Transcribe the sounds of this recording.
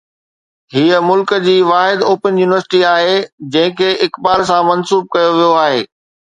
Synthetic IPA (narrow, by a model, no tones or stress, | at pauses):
ɦiəmʊlkd͡ʑiːʋaːɦɪd̪oːpənjuːnɪʋəɾsɪ̥ʈiaːɦed͡ʑɐ̃ɦɪ̃kʰeːɪkbaːɾs̬ãmɐnsuːb̚kɐjoʋijoaːɦeː